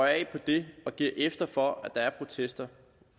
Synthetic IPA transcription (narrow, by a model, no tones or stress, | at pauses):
ɒɛɪpʰɒ̽d̥e̝ɒ̽ɡ̥iɐʔefd̥ɐfɒ̽æd̥ɑ̈æɐpʰʁo̝t͡sʰesd̥ɐ